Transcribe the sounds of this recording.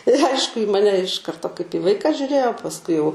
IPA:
ɪr ˈɐɪʃkʊ iː ˈmɑːnʲɛ ɪʃ ˈkɐrtoː kɐɪp iː ˈʋɐɪkɑː ʒʲʊˈrʲeːjoː pɐsˈkʊɪ jɛʊ

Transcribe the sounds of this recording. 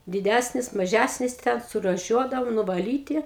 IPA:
dʲɪˈdʲæsʲnʲɪs mɐˈʒʲæsʲnʲɪs tʲɛn sʊruːˈʃʲuɔdɐʋoːm nʊʋɐˈlʲiːtʲɪ

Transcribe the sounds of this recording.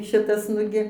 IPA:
ˈʃʲɪtɐs ˈnʊɡʲɪ

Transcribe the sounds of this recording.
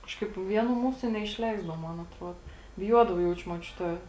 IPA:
ˈkɑːʃkɐɪp ˈʋʲiɛˌnuː ˈmuːsʊ nʲɛɪʃʲˈlʲɛɪzdɐʋoː ˈmoːn ɐtˈruɔdoː bʲɪˈjuɔdɐʋɐ ˈjɛʊt͡ʃʲʊ muɔˈt͡ʃʲʊtʲɛ

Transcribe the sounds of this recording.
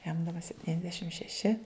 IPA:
jɛm dɐˈbɐ sʲɛpʲtʲiːnʲɛzʲˈdʲæːʃʲɪm ʃʲɛˈʃʲɪ

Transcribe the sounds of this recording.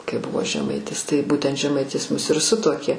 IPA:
kɐɪ ˈbʊʋoː ʒʲɛˈmɐɪtʲɪs tɐɪ ˈbuːtʲɛnt ʒʲɛˈmɐɪtʲɪs ˈmʊs ɪr ˈsʊtuɔkʲeː

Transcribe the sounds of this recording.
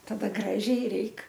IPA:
tɐˈdɐ ˈɡrɑːʒʲɛɪ ˈrʲɛɪk

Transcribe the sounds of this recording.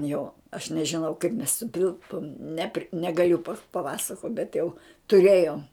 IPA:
ˈjoː ɐʃ nʲɛʒʲɪˈnɐʊ kɐɪp mʲɛs sʊˈtʲɪlˠpoːm ˈnʲæːpʲrʲɪ nʲɛɡɐˈlʲʊ pɐˈpɑːsɐkoːt bʲɛt jɛʊ tʊˈrʲeːjoːm

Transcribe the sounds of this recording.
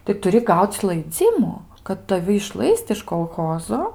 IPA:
tɐɪ tʊˈrʲɪ ˈɡɐʊt͡s lˠɐɪˈd͡zʲɪmʊ kɐt tɐˈʋʲɪ ɪʃˈlˠɐɪst ɪʃ koːlˠˈxoːzoː

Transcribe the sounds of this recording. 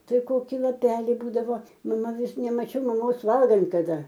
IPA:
ˈtɐɪ ˈkoːkʲɪ lˠɐˈpʲæːlʲɪ ˈbuːdɐʋoː mɐˈmɐ ˈʋʲɪs nʲɛmɐˈt͡ʃʲɛʊ mɐˈmoːs ˈʋɐlˠɡɐnt kɐˈdɐ

